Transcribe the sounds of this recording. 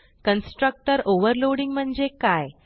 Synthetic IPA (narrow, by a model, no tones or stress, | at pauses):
kənsʈɾək̚ʈəɾoʋəɾloɽiŋɡm̤əɳd͡zekaj